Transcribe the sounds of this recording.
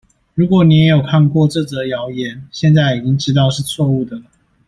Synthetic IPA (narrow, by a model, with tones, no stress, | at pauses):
ɻu˨˥kwɔ˨˦ni˨˦je˧˦˥jo˨˩ʊkʰa˥˧nkwɔ˥˨ʈ͡ʂɤ˥˨d͡zə˨jɑ˨˦ʊjɛ˨˦nɕjɛ˥˧nt͡sa˥˩ɪi˨˩t͡ɕi˦ŋʈ͡ʂɻ̩˧˥t̪ɑ˥˧ʊʂɻ̩˥˧t͡sʰwɔ˥˧u˥˩d̪ə˩nə˩